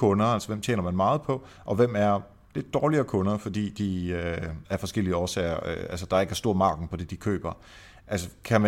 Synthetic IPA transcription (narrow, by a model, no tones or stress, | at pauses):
kʰɔ̽nɐælsəʋem̰t͡ɕʰjḛːnɐmænmɑ̈ːð̞̩ˠpʰɒ̽ | ʔɒ̽ʋem̰æɐ | le̝d̥ːɒːliɐːkʰɔ̽nɐfɒ̽d̥ḭːd̥iøæɐfɒ̽sɡ̥el̰iəɒːsɛːɪɐøælsəd̥ɑ̈ɐe̝ɡ̥ɐsd̥o̝ɐ̰mɑ̈ːɡ̥n̩pʰɒ̽d̥e̝d̥ikʰø̰ːb̥ɐ | ʔælsəkʰæmæ